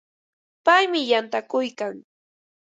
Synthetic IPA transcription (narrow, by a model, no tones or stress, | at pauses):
pajmɪjant̪akʊjkaŋ